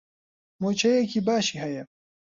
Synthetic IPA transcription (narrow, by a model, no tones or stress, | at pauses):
moːt͡ʃʰɐjekiːbaːʃiːhɐjɐ